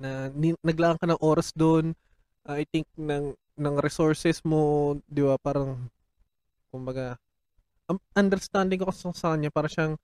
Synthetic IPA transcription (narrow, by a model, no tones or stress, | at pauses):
nɐnɪnɐɡlaːʔɐŋkɐnɐŋʔo̞ːɾɐsd̪oʔn | ʔɐʔɐjt̪ɪŋk̚nɐŋ | nɐŋɾɛsoɹsɛsmod̪ɪbapaːɾɐŋ | kʊmbɐɡa | ʔɐʔɐnd̪ɛɾst̪and̪ɪŋkokɐssɐkɐɲɲapaːɾɐʃaŋ